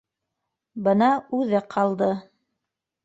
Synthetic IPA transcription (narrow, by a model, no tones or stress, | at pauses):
bɤnɑʉðɘqʰɑlˠd̪ɤ